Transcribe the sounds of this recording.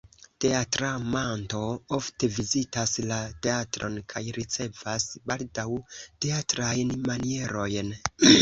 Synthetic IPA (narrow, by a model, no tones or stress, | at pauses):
te̞atɾamanto̞o̞fte̞vizitaslate̞atɾo̞̰nkʰajɾit͡se̞vasbaldawte̞atɾajnmanie̞ɾo̞jn